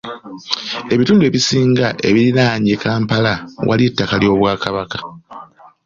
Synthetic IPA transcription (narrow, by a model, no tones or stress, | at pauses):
e̞βituːndue̞βisiːŋɡaʔe̞βiɾinaːɲekaːmpalawʔa̰lietːakaljo̞ːβwaːkaβakḁ